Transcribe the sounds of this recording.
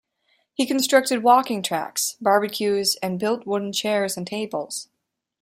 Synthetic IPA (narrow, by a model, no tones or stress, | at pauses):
hikn̩stɹ̥ʌk̚tɨd̚wɔkɪ̃ŋtʰɹ̥æ̰ksb̥ɑɹbɨkʰjʉzɨ̃nbɪlˠt̚wʊdⁿn̩t͡ʃʰɛɹzɨ̃n̩tʰeɪbəl̩ˠz̥